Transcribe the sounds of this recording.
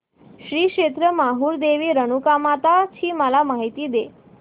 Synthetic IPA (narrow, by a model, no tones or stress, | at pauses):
ʃɾiːkʂet̪ɾəmaɦuɾd̪eʋiːɾəñukamat̪at͡ɕʰiːməlamaɦit̪iːd̪e